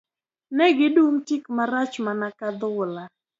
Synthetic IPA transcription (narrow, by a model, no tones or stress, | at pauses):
nɛɡɪdumtikmaɾat͡ʃmanakad̪ʊla